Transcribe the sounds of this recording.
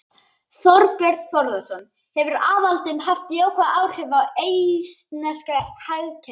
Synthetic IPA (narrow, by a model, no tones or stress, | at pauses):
θɔɾpɛɾ̥t̪θɔɾðasɔn | hɛvʏɾaːvalt̪ɪnɦaft̪iowkʰaʔaːwr̥ʏvawejst̪nɛ̥skahaɣcʰɛ